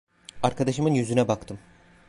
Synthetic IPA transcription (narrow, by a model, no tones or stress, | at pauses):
aɾkad̪aʃɯmɯnjyzynɛbakt̪ʰɯm